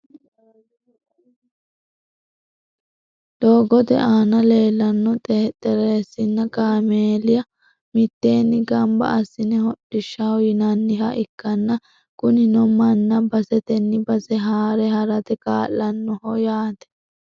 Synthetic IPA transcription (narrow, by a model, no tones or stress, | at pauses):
d̪oːɡɔt̪ɛ̰ʔaːnɐle̞ːlːɐnːɔt̪ʼeːt̪ʼɛɾeːsːɪnːɐkaːmeːlɪjɐ | mɪt̪ːeːnːɪɡɐmbɐ̰ʔɐsːɪnɛhɔɗːɪʃːɐawjɪnɐnːɪhɐʔɪkːɐnːɐ | kʊnɪnɔmɐnːɐbɐsɛt̪ɛnːɪbɐsɛɦaːɾɛhɐɾɐt̪ɛka̰ːlːɐnːɔhɔjaːt̪ɛ̥